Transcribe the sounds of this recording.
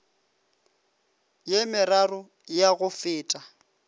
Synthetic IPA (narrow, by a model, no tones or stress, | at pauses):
jemɪrarʊ | jaɣʊfɪːtʼa